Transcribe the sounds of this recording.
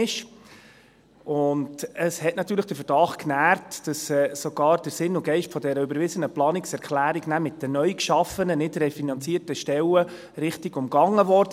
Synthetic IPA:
ɪʃ | ʊndəshɛtnɑt̪ːyːɾləχd̥əfəɾdɑχknæːɾtd̥ɑsɛːsɔɡ̥ɑːɾd̥əɾsɪnʊɡɛɪʃtfɔdɛɾəybəɾvɪzənəplɑːnɪksɛɾkʰlæːɾiɡnæmɪt̚dənœʏkʃɑfənənɪdɾɛfinɑnt͡siːɾtəʃtɛlə | ɾɪχtɪɡʊmɡ̥ɑŋːəvɔɾd

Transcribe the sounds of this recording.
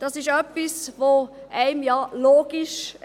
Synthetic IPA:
d̥ɑsɪʃœpːisʋoʔæɪmjɑːloːɡiʃ

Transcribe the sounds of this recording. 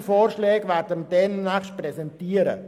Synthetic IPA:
foːɾʃlɛːɡvɛːɾdənd̥ɛnːæχʃt̚prɛsɛntiːəɾə̰

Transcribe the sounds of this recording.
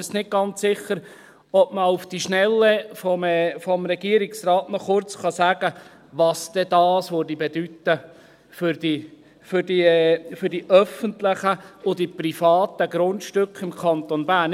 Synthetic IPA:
snɪt̚ɡ̥ɑntsɪχːəɾ | ɔbməufd̥iʃnɛlːəfɔmɛfɔmɾɛɡ̥iːɾɪksrɑːtnɔχʊɾt͡sχɑsæːɡ̥ə | ʋɑsd̥̪ɛd̥̪ɑːsʋøɾdibed̥yt̪ːə | fʏɾdi | fʏɾdiɛfʏɾdiʔœfənt̪lɪχəʊd̥iprifɑːt̪əɡɾʊntʃtʏkχɪmkʰɑnt̪onbæːn

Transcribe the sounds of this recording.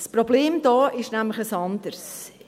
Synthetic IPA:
sprobleːmd̥̪ɔːʔɪʃnæmləχəsɑnd̥əɾs

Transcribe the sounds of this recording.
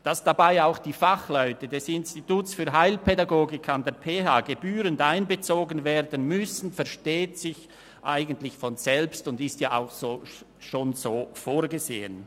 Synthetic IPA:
d̥asd̥abaɪaʊxd̥iːfaχlɔʏtəd̥ɛsɪnstituːtsfyːɐɦaɪlpʰɛdaɡoːɡɪkʰandeːɐɾpʰeːɦaːɡ̥ebyːɾəndaɪnbət͡soːɡənveːɾdənmʏsn̩fɛɐʃteːtsɪç | ʔaɪɡəntlɪçfɔnz̥ɛlpstʊndɪstjaːa̰ʊxsoː | ʃoːnzoːfoːɾɡəzḛːən

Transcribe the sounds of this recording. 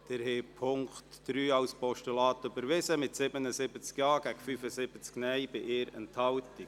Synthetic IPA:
d̥ɛɾhepʰʊŋkχtd̥ɾyːɑwspɔʃtulɑːtøbəɾʋɪsəmɪtsɪbənəsɪbət͡skjɑːɡ̥æɡfyfəsɪbət͡sknɛjb̥ɪʔɪːɾɛ̰nthɑwti

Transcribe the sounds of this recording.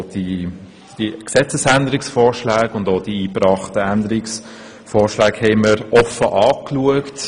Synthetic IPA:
d̥i | d̥iksɛt͡səsændəɾɪksfɔːɾʃlæːɡʊndoːd̥iiːprɑːχtəændəɾɪks | fɔːɾʃlæːkhɛɪməɾʔɔfəʔɑːkluəkt

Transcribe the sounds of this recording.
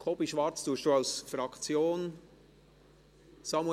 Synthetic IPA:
kʰobiʃvɑɾt͡sd̥uəʃd̥uːaʊsfɾɑkt͡sjoːn | sɑmw

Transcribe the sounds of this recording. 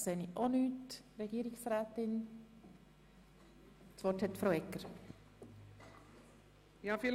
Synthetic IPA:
seːniʔonyːtɾɛɡiːɾɪksɾɛːt̪ɪn | t͡svɔthɛt̪fɾowɛkːəɾ | jaːfi

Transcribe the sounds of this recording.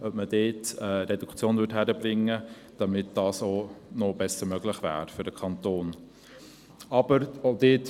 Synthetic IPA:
œbməd̥eːtəɾɛdukʰt͡sjoːnvʏthæɾəbɾɪŋːə | d̥ɑmɪtd̥ɑːsonɔb̥ɛsːəɾmœɡlɪχvæ̰ːɾfʏɾd̥əkʰɑnt̪oːn | ɑbəɾod̥eːt

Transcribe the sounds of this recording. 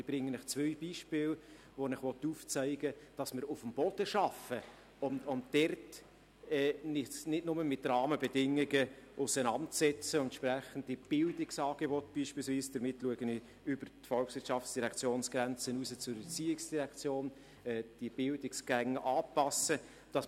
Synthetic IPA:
ɪb̥ɾɪŋːənɪχt͡sʋœʏbiːʃpɪːl | ʋonɪχʋɔt̪uft͡sæɪɡəd̥ɑsmɪɾʊfəmb̥ɔd̥əʃɑfə | ʊmʊmd̥ɛrt | ɛːnɪnɪdnʊməmɪtrɑːməbɛdɪŋːiɡəʔʊsənɑntt͡sɛt͡səɛnt̪ʃpɾæχən̩tib̥ɪldɪksɑːɡ̥ebɔtb̥iːʃpiːlsviːsd̥əɾmɪtluəɡənɪ | ʏbəɾtfɔlksʋɪɾtʃɑftt͡ssd̥iɾɛkʰt͡sjoːnsɡ̥ɾɛnt͡sənuːsət͡sʊɾət͡siːɪksd̥iɾɛkt͡sjoːn | ɛːd̥ib̥ɪldɪksɡ̥æŋːəʔɑːpɑsə | d̥ɑs

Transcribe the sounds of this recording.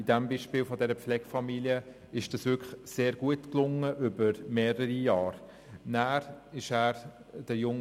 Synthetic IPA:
idæmbiʃpɪːlfɔdɛɾəpflɛɡ̥fɑmiliə | ɪʃd̥ɑsʋʏkχseːɾɡuətklʊŋːəʔʏbəɾmeːɾəɾijɑːɾ | næːɾɪʃæːɾd̥əjʊŋ

